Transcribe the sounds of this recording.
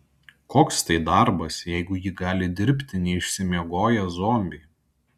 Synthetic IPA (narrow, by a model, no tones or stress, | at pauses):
koːkst̪ɐɪd̪ɑˑɾbɐsjɛɪɡʊjiːɡɑːlʲɪd̪ʲɪɾʲpʲt̪ʲɪnʲɛɪʃʲsʲɪmʲiɛɡoːjɛzoːmʲbʲiː